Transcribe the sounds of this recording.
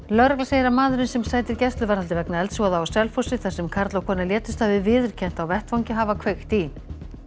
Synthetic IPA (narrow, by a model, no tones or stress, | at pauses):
lœɾɣlaseːjɪɾamaːðʏɾɪnsɛmsaːjt̪ɪɾcɛst̪lʏvaɾhalt̪ɪvɛknaɛlt̪svɔðaawsɛlfowsɪθɛsɛmkʰaɾt̪lawkʰɔːnaljɛːt̪ʏ̥st̪aːvɪvɪðʏɾ̥cʰɛn̥t̪awvɛht̪fawɲcɪɦavakʰvext̪i